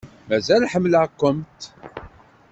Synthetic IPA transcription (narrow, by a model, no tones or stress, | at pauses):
mæzælħəmːləkʷːəmt̪